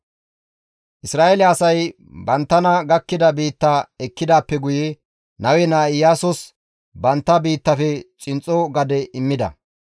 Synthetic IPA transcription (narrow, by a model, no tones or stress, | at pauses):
ʔɪsɾaːelɪɐsɐj | bɐnt̪ːɐnɐɡɐkːɪd̪ɐbiːt̪ːaɛkːɪd̪aːpːɛɡʊjɛ | nɐwɛnaːɪjaːsɔs | bɐnt̪ːɐbiːt̪ːɐfɛt͡sʼɪnt͡sʼːɔɡɐd̪ɛʔɪmːɪd̪ɐ̰